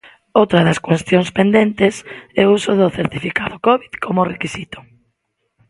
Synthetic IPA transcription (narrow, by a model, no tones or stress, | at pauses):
owt̪ɾɐðɐskwest̪joŋspend̪ent̪ɪsɛusʊðʊθeɾt̪ifikaðʊkɔβiðkʰomʊrekisit̪ʊ̥